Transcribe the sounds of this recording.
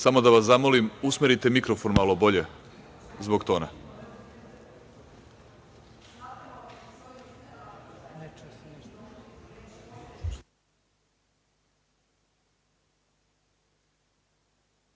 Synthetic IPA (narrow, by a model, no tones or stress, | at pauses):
samo̞d̪aʋaszamolimusmeɾit̪e̞mikɾofo̞nmalobo̞ʎe | zboɡt̪oːna